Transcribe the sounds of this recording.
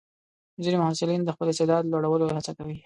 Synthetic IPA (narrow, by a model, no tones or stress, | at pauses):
ziɾimʊhasɪlind̪əxpəlɪst̪ed̪ɑd̪loɽawəlohat͡sakawi